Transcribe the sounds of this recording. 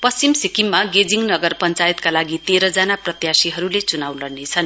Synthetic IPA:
pʌst͡simsikimːaɡed͡ziŋnʌɡʌrpʌnt͡sajet̪kalaɡit̪eɾʌd͡zanaprʌt̪jasiɦʌɾulet͡sunawlʌrnet͡sʰʌn

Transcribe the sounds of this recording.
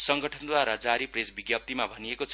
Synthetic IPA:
sʌŋɡʌʈʰʌnd̪waɾʌd͡zaɾipresbiɡjʌp̚t̪imabʱʌniekot͡sʰ

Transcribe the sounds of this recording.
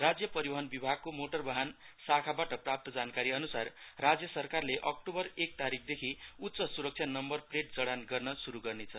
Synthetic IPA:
rad͡zjʌpʌɾiʌɦʌnbibʱaɡ̚komoʈʌrbaɦan | sakʰabaʈʌprap̚t̪ʌd͡zankaɾiʌnusarːad͡zjʌsʌrkarleʔʌk̚ʈobʌrek̚t̪aɾik̚ʰd̪ekʰiut̪t͡sʌsuɾʌk̚t͡sʰjanʌmbʌrpreʈ̚d͡zʌɽanɡʌrnʌsuɾuɡʌrnet͡sʰʌ

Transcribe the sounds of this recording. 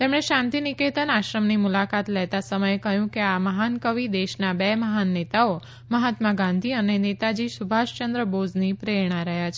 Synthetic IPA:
t̪emɳ̃eʃãnt̪iniket̪ənaʃɾəmnimulakat̪lɛt̪asəməjekəɦjũkeaməɦankəʋid̪eʃnabeməɦanːet̪ao | məɦat̪maɡãnd̪ʱiənenet̪ad͡ʒisubʱaʃt͡ʃənd̪ɾəbod͡ʒnipɾeɾɳ̃aɾəɦjat͡ʃʰe̥

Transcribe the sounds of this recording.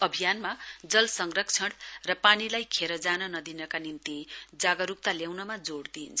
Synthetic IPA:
ʌbʱijanmad͡zʌlsʌŋɡrʌkt͡sʰʌɽrʌpanilajkʰeɾʌd͡zanʌnʌd̪inʌkanimt̪id͡zaɡʌɾuk̚t̪aljawnʌmad͡zoɽd̪int͡sʰʌ

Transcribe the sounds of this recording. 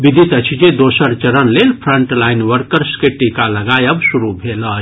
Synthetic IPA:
bid̪ʱit̪ət͡ʃʰid͡ʒed̪osəɾt͡ʃəɾənlelpʰɾəɳʈlainʋəɾkəɾskeʈikaləɡajəbsuɾubʱelə

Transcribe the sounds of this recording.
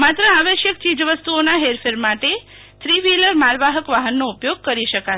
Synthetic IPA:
mat̪ɾəaʋəʃjək̚t͡ʃid͡ʒʋəst̪uonaɦeɾfʰeɾmaʈe | t̪ʰɾiʋiləɾmalʋaɦəkʋaɦənːoupjoɡ̚kəɾiʃəka

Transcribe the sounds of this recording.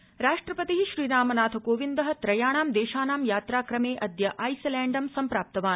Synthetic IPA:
ɾaːʂʈɾɐpɐt̪iɦiʃɾiːɾaːmɐnaːt̪ʰɐkoːʋind̪ɐɦɐ̆t̪ɾɐjaːɳaːmd̪ɛːʃaːnaːmjaːt̪ɾaːkɾɐmeːʔɐd̪jɐʔɐjsɐlæːɳɖɐmsɐmpɾaːp̚t̪ɐʋaːn

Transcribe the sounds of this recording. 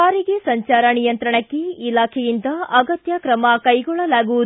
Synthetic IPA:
aːɾiɡesɐɲt͡ʃaːɾɐnijɐnt̪ɾɐɳɐkːeilaːkʰejind̪ɐʔɐɡɐt̪jɐkɾɐmɐkɐjɡɔɭɐlaːɡuʋu

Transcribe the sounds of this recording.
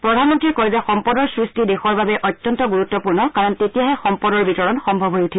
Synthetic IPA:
pɹɔdʱanmɔntɹikojzɛxɔmpɔdɔɹsɹistidexɔɹbabɛʔɔtjɔntɔɡuɹutːɔpuɹnɔkaɹɔntetijaɦɛxɔmpɔdɔɹbitɔɹɔnxɔmbʱɔbɦojutʰi

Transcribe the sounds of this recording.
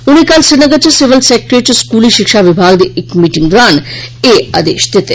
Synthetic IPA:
uɽikalsinəɡət͡ɕasiʋəlsek̚ɾet͡ɕoskuliːʃikʂaʋibʱaɡd̪eekmiʈiŋɡɾanea̰d̪ḛʃd̪et̪e

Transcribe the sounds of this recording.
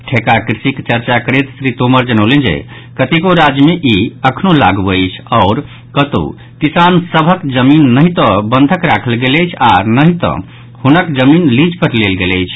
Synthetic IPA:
ʈʰekakɾisikt͡ʃəɾt͡ʃakəɾet̪sɾit̪oməɾd͡ʒənəʊlend͡ʒḛ | kət̪ikoɾad͡ʒəmeʔiəkʰnola̰ɡəɪt͡ʃʰɔʊɾ | kət̪o̰ | kisansəbʱəkd͡ʒəminːəɦit̪ɔ̃bənd̪ʱəkɾakʰəlɡeləjt͡ʃʰanəɦit̪ɔ̰̃ | hunəkd͡ʒəminlid͡ʒpəɾlelɡeləjt͡ʃʰ

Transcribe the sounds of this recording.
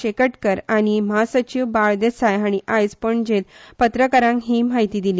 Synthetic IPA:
ekəʈkəɾaɽ̃iməɦasət͡ɕiʋbaɭd̪esajaɽ̃iʔajd͡zpəɳd͡ʑet̪pət̪ɾəkəɾãŋkɦiːmaɦit̪iːd̪iliː

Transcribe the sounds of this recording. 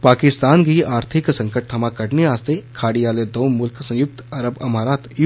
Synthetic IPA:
paːkɪst̪aːnɡiaːɾt̪ʰɪksɐ̃ŋkəʈ̚t̪ʰɐmakɐʈniaːst̪ekʰaːɽiaːled̪owmʊlksɐ̃jʊk̚t̪ɐɾəbɐmaːɾaːt̪j

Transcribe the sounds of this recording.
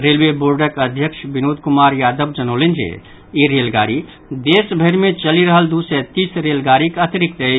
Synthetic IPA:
ɾeːlʋeboːɾɖəkɐd̪ʱjəkʃbɪnoːd̪kʊmaːɾjaːd̪əbd͡ʒɐnoːlẽnd͡ʒḛ | iɾeːlɡaːɾi | d̪eːsbʱeɾmẽt͡ʃɐliɾəɦəld̪uːset̪iːsɾeːlɡaːɾikɐt̪ɪɾɪkt̪ɐi

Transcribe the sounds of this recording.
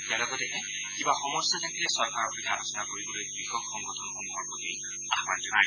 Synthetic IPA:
tialɔɡɔtɛʔɛ | kibaxɔmɔsɔzɛntilɛsɔɹkaɹɔpɹɔtʰialosɔnakoɹibɔlojbɹixɔkːɔŋɡɔtʰɔnxɔnbʱɔɹpɔtij | axmand͡ʒɔa

